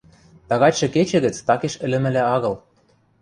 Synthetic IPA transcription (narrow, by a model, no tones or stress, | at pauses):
t̪ɑɣɑtʲʃɤ̆ket͡ɕɘ̆ɣə̆t͡st̪ɑkeʃɘ̆lɘ̆mɘ̆læɑɣɤ̆l